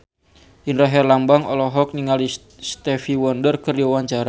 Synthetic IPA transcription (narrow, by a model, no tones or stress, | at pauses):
inraɦɛrlambaŋɔ̰lɔɦɔk̚niŋali | st̪ɛfiwɔndərkəriɔwaɲt͡ʃaɾa